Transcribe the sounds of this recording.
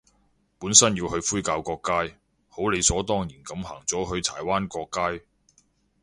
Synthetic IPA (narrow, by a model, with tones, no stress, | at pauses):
puː˨˥nsɐ˥njiː˧whɵ˧ɥfuː˥jkaː˧wkɔː˧kːaː˥j | ho˨˥wle˨˧jsɔː˨˥t̪ɔː˥ŋjiː˨˩nkɐ˨˧mhaː˨˩ŋt͡sɔː˨˥ɦɵ˧ɥt̪ʰa̰ː˨˩jwaː˥nkɔː˧kːaː˥j